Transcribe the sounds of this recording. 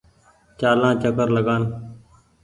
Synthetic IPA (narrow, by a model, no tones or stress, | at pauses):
t͡ʃaːlãːt͡ʃəkəɾləɠaːn